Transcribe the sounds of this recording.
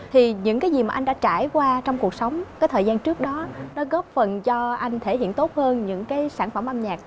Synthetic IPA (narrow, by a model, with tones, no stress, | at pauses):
t̪ʰi˨˩ɲɨ̰˧˥ŋkaː˨˦jzi˨˩maː˨˩ʔa˧ŋ̟ɗa̰ː˧˥t͡ɕaː˧˩jkwaː˧t͡ɕɔ˧wŋ͡mku˨˩ək̚sə˨˦wŋ͡mkaː˨˦jt̪ʰəː˨˩jzaː˧nt͡ɕɨ˦˥ək̚ɗɔ˨˦nɔ˨˦ɣɔ˦˥p̚fə˨˩nt͡ɕɔ˧ʔa˧jŋ̟t̪ʰe˧˩hḭ˧˨ənt̪o˦˥t̚həː˧nɲɨ̰˧˥ŋkaː˨˦jsaː˧˩nfə˧˩mʔaː˧mɲaː˨˩k̚